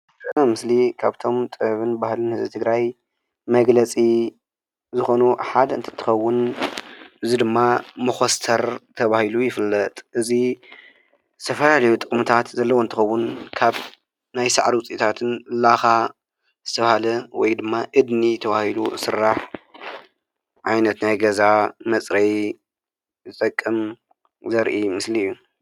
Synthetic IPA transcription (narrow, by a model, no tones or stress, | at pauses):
ɨamɨslikʰaβt̪ʰo̞mt̪ʼɨβɨnbahlɨnhɨzbɨt̪ʰɨɡɾaj | mɐɡlɐt͡sʼi | zɨxo̞nuħad̪ɐɨnt̪ʰɨ̥t̪ʰːɨ̥xɐwːʊn | ʔɨzid̪ɨmːamɐxost̪ʰɐɾt̪ʰɐβahilujɪfɨlːɐt̪ʼʔɨzi | zɨ̥t̪ʰɐfɐlalɐjut̪ʼɨkʼmut̪ʰat̪zɐlːɐwoɨnt̪ʰɨxɐwːʊnkʰaβ | najsaʕɾiwʊt͡sʼit̪ʰat̪ʰɨnlaxa | zɨ̥t̪ʰɐβhalɐwɔjd̪ɨmːaʔɨd̪nit̪ʰɐβahilṵsɨɾːaħ | ʕajnɐt̪najɡɐzamɐt͡sʼɾɐj | zɨt̪ʼɐkʼːɨm | zɐɾʔimɨslijːu